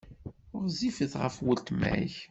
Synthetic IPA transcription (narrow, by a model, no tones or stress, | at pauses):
ʊɾzifəθʁə̰fwəlt̪mæ̰ç